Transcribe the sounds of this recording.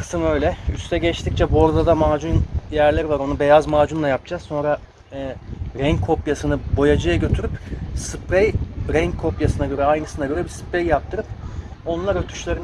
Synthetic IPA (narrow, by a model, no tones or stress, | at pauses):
kʰɯ̥sɯmø̞jlʲɛyst̪ʰɛɟɛt͡ʃt̪ʰict͡ʃʰɛbo̞ɾd̪ad̪amaːd͡ʒunjæɾlʲeɾivaɾo̞nube̞jazmaːd͡ʒunlˠajap̚d͡ʒazso̞nɾa | ɛːɾɛɲkʰo̞pjasɯnɯbo̞jad͡ʒajaɟø̞t̪ʰyɾypsɯpɾɛjɾɛɲkʰo̞pjasɯnaɟø̞ɾɛajnɯsɯnaɟø̞ɾɛbisɯ̥pɾejjap̚t̪ʰɯɾɯp | o̞nlˠaɾøt̪ʰy̥ʃlʲeɾin